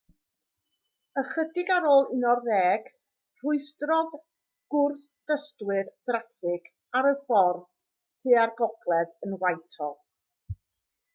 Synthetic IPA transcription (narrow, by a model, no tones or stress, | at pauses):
əχədɪɡaɾoːlˠɪnɔrːɛːɡ̥ | r̥ʊɨstrɔð | ɡ̥ʊrθd̥əstwɨrð̥raθɪɡ̥ | aɾəfɔrð | tʰeːarɡɔɡlˠɛðənwajtʰɔ̰lˠ